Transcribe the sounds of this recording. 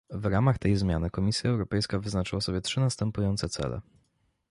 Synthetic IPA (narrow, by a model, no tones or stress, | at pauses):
vɾamaxt̪ɛjzmʲja̰nɘkɔmʲisʲjaɛwɾɔpɛjskavɘznat͡ʂɘwasɔbʲjɛtʂɘnast̪ɛmpujɔnt̪sɛt̪sɛ̰lɛ̰